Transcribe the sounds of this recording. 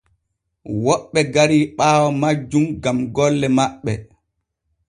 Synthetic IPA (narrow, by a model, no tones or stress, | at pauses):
wɔɓːɛɡaɾiːɓaːwɔmad͡ʒːumɡamɡɔlːɛmaɓːɛ